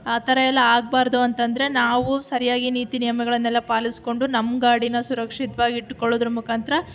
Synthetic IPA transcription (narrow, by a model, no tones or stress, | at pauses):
aːt̪ɐɾɐjɛlːɐaːɡ̚baːɾd̪uɐnt̪ɐnd̪ɐɾe̞naːʋusɐɾijaːɡiniːt̪inijɐmɐɡɐɭɐnːɛlːɐpaːlisko̞ɳɖunɐmɡaːɽinɐsuɾɐkʂit̪ɐʋaːɡiiʈːkoɭːoːd̪ɾumukʰaːnt̪ɾɐ